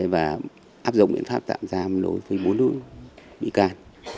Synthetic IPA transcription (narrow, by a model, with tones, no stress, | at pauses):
e˨˦vaː˨˩ | ʔaː˦˥p̚zʊ̰˧˨ŋ͡mɓḭ˧˨ənfaː˦˥p̚t̪a̰ː˧˨mzaː˧ɗo̰˨˦jvɨː˨˦jɓo˨˦nːlɨ̰˦˧˥əŋɓḭ˧˨kaː˨˩n